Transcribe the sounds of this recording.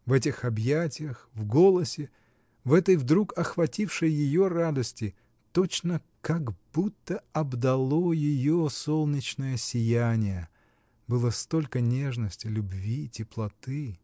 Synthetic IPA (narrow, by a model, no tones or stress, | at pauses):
vɛtʲɪxɐbjætʲɪjəxvɡo̞lˠəsʲɪ | vɛt̪əjvd̪ɾukɐxvɐtʲifʂɨjjɪjorad̪əsʲtʲɪ | t̪ot͡ɕnə | kaɡbut̪ːəɐbd̪ɐlˠo̞jɪjosolˠnʲɪt͡ɕnəjəsʲɪjænʲɪjə | bɨlˠəst̪o̞lʲkənʲe̞ʐnəsʲtʲɪlʲʊbvʲitʲɪplˠɐt̪ɨ